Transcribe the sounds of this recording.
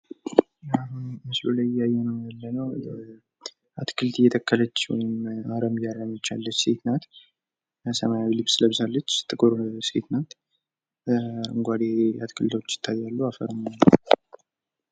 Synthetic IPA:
mɨslulajɪjːajːɛnəwjalːənəw | ʔat̪kʰɨlt̪ɨjːɛt̪ʰəkːələt͡ʃːwɔ̰jɪmaɾəmjaɾəmət͡ʃːa̰lːət͡ʃːset̪nat̪ | səmajawilɨβsləβsalːət͡ʃːt̪ʰʼːɨkʼoɾsḛt̪nat̪ | ɨŋɡʷad̪ea̰t̪kʰɨlt̪ʰot͡ʃːɪ̥t̪ʰːat̪jalːuafə̰ɾmanː

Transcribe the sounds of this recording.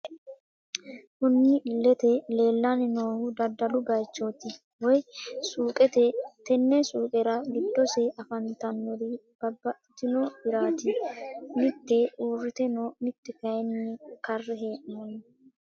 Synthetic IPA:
kʊnːɪlɛt̪ɛle̞ːlːɐnɪnoːhʊd̪ɐd̪ɐlʊɡɐjt͡ʃːoːt̪ɪ | wɔjsuːkʼɛt̪ɛt̪ɛnːɛsuːkʼɛɾɐɡɪd̪ːɔsɛɐfɐnt̪ɐnːɔɾib̥ɐbːɐt̪ːɪnobɪɾaːt̪ɪmɪt̪ːɛuːrːɪt̪ɛnoːmɪt̪ːɛkɐjɛnːɪkɐrːɛɦeːʔnɐn

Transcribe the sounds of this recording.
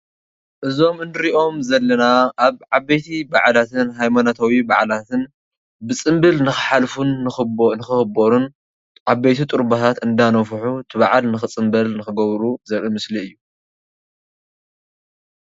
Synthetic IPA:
ʔɨzo̞mɨnɨɾiʔo̞mzɐlːɐnaʔːβʕabːejt̪ʰibaʕlat̪ʰɨnɦajmanat̪ʰawiba̰ʕlat̪ʰɨn | bɨt͡sʼɨmbɨlnɨxɨħalfunːɨxnɨxɨxɨboɾun | ʕabejt̪ʰit̪ʼɨɾbat̪ʰat̪ɨnd̪anɐfħut̪ʰɨβaʕalnɨxɨt͡sʼɨmbɐlnɨxɨɡɐβɾuzɐɾimɨsliɨjːu

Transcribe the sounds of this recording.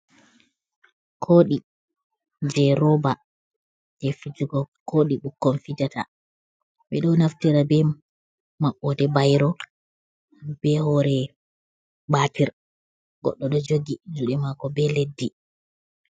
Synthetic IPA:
kʰoːɗi | d͡ʒɛɾɔba | d͡ʒɛfid͡ʒuɡɔkʰoɗiɓukːɔmfid͡ʒata̰ | ɓɛɗɔnaftiɾabɛ | maɓːɔdɛbajɾɔ | b̥ɛhɔɾɛ | batiɾ | ɡ̥ɔ̰ɗːɔɗɔd͡ʒoɡid͡ʒuɗɛmakɔbɛledːi

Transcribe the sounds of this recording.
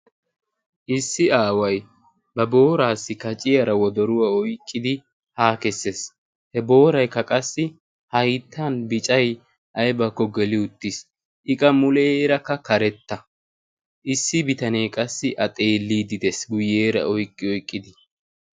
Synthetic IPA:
ʔɪsːɪaːwɐj | bɐbo̞ːɾaːsːɪkɐt͡ʃʼɪjɐɾɐwɔd̪ɔɾʊwaɔjkʼːɪd̪ɪ | haːkɛsːes | hɛbo̞ːɾɐjkːɐkʼɐsːɪ | hɐjt̪ʰːɐnbɪt͡ʃʼɐj | ʔɐjbɐkːɔɡɛlɪʊt̪ːɪs | ʔɪkʼɐmʊleɾɐkːɐkɐɾɛt̪ːɐ | ʔɪsːɪbɪt̪ɐne̞ːkʼɐsːɪʔɐt̪ʼeːlːiːd̪ɪd̪ɛsɡʊjːeːɾɐ̰ʔɔjkʼːɪɔjkʼːɪd̪ɪ

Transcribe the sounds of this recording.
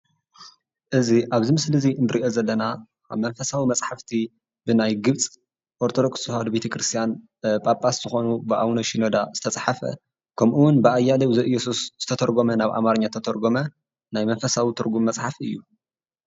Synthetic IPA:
ʔɨziʔaβzimɨslɨziɨnb̪ɨɾiʔo̞zɐlːɐna | a̰βmɐnfɐsawimɐt͡sʼħaft̪ʰi | bɨnajɡɨβt͡sʼ | ʔoɾt̪ʰod̪o̞kʼshad̪bet̪ʰɐkɾɨst̪ʰijan | pʼapʼasz̥ɨxo̞nubɨʔa̰wnoʃinod̪azɨ̥t̪ʰɐt͡sʼħafɐ̰ | kʰɐmʔuwʊnbɨʔajːalɐwzɨʔɨjːɛsusz̥ɨt̪ʰɐt̪ʰɐɾɡo̞mɐnaβʔa̰maɾɨɲːat̪ʰɐt̪ʰɐɾɡomɐ | najmɐnfɐsawit̪ʰɨɾɡumːɐt͡sʼħafɨjːu

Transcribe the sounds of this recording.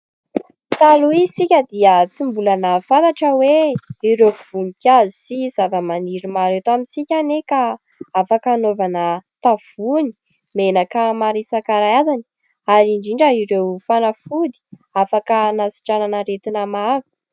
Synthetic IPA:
t̪aluisikʲəd̪iət͡simbulanəfant̪aʈ͡ʂəweiɾewv̥unikʲazisizavəmaniɾimaɾewt̪amit͡sikʲaneka | afakːnovanət̪av̥uni̥ | menakamaɾisakaɾajazani̥ | aɾiɳɖ͡ʐiɳɖ͡ʐəiɾewfanafud̪i̥ | afakənasi̥ʈ͡ʂananəɾet̪inamavu̥

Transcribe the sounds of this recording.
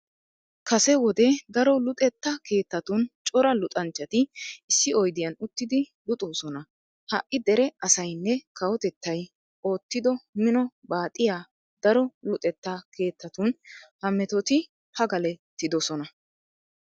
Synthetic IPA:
kɐsɛwɔd̪ɛd̪ɐɾɔlʊt̪ʼɛt̪ːɐke̞ːt̪ːɐt̪ʊnt͡ʃʼɔɾɐlʊt̪ʼɐnt͡ʃːɐt̪ɪɪsːɪɔjd̪ɪjɐnʊt̪ːɪd̪ɪ | lʊt̪ʼoːsɔnɐ | hɐʔʔːɪd̪ɛɾɛɐsɐjnːɛkɐwɔt̪ɛt̪ːɐj | ʔo̞ːt̪ːɪd̪ɔmɪnɔbaːt̪ʼːɪjaː | d̪̥ɐɾɔlʊt̪ʼɛt̪ːɐkʰe̞ːt̪ːɐt̪ʊnhɐmːɛt̪ɔt̪ɪ | pɐɡɐlɛt̪ːɪd̪ɔsɔnɐ

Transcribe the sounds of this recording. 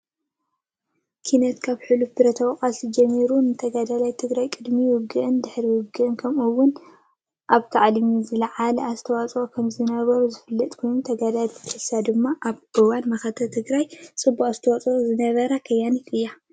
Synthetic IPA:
kʰinɐt̪kʰaβħɨlubɨɾɐt̪ʰɐwqʼasid͡ʒɐmːiɾunɨt̪ʰɐɡad̪alajt̪ʰɨɡɾajkʼɨd̪miwʊɡɨʔɨnd̪ɨħɾiwʊɡɨʔɨnkʰɐmuwːʊn | ʔaβkʰaʕlmizɨlɐʕalɐazt̪ʰɐwat͡sʼokʰɐmzɨnɐβɐɾuzɨfɨlːɐt̪ʼkʰo̞jnut̪ʰɐɡad̪alʰħɨsad̪ɨmːaʔaβʔɨwanmɐxɐt̪ʰɐt̪ʰɨɡɾajt͡sʼɨbːuχʼzɨt̪ʰɐwɔt͡sʼuzɨnɐβɐɾakʰɐjːanikɨjːa

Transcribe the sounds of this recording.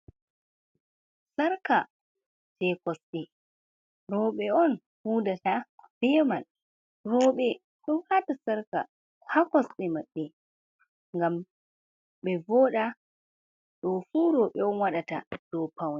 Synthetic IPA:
saɾka | tɛkɔsɗɛ | ɾɔːɓɛɔn | huːdatab̥ɛmal | rɔːɓɛ | ɗɔnhatasaɾka̰ | hakɔsɗɛmaɓːɛ | ŋɡam | ɓɛvɔːɗa | ɗɔfuːɾɔːɓɛɔnwaɗata̰d̥ɔpawnɛ

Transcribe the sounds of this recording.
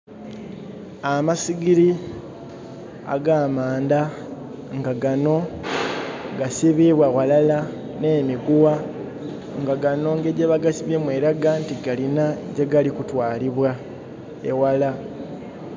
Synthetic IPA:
amasiɡiɾi | a̰ɡaːmaːnda | ŋɡaɡano̞ | ɡasiβiβwawalala | ne̞ːmiɡuwa | ŋɡaɡano̞ŋɡeɟeβaɡasiβemweːɾaɡantiɡalinaɟeɡalikutwaːliβwa | ḛwala

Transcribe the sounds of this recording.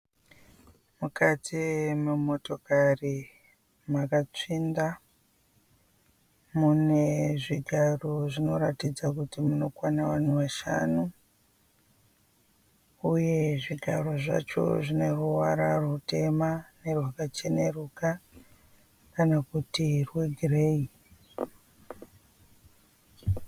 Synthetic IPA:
mukatʰimemo̞to̞kari | makat͡ʂinda | mune̞ʐiɡʱaroʐino̞ɾatid͡zakutimuno̞kwanaʋan̤uʋaʃa̰nu | uje̞ʐiɡʱaro̞ʐa̰t͡ʃo̞̰ʐine̞ruwaɾarute̞mane̞rwakat͡ʃene̞ruka | kanakutirweɡʱirei

